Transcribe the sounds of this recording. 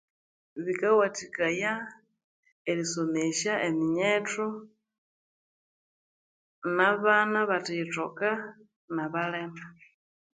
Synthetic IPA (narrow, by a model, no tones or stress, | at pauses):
βikawatikaja | eliso̞meʃaʔemiɲeto | naβanaβatitoka | naβalema